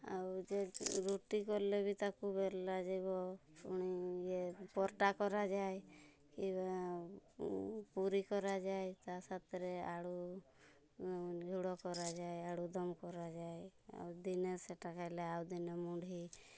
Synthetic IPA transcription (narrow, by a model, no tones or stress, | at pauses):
a̰wd͡ʒeɾuʈikɔɾlebʱit̪akubeɾlad͡ʒebɔpuɽ̃id͡ʒepɔɾʈakɔɾad͡ʒae | kiba | puɾikɔɾad͡ʒajt̪asat̪ɾeaɽu | d͡ʒʱuɽɔkɔɾad͡ʒaeaɽud̪ɔmkɔɾad͡ʒajea̰wd̪ineseʈakajleawd̪inemuɖʱi